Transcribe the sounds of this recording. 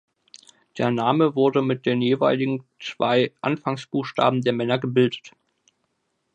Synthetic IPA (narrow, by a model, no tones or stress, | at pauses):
d̥eːɐnaːməvʊɐdəmɪt̚d̥eːnjeːvaɪlɪɡŋ̩t͡sv̥aɪʔa̰nfaŋsb̥uːxʃta̰ːbm̩deːɐmɛnɐɡəbɪldət